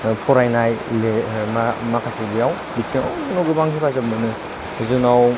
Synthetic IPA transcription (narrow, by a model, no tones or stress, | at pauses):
pʰɔɾajnajlemamakʰasʰibijaw | bitʰiŋawmɯnuɡɯbaŋkʰipʰazap̚mɯnɯ | zunaw